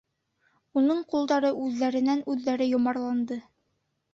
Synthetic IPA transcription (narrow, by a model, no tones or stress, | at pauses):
unɤɴqulˠd̪ɑɾɤʔʉðːæɾɘ̆nænʉðːæɾɘjŏmɑɾlˠɑnd̪ɤ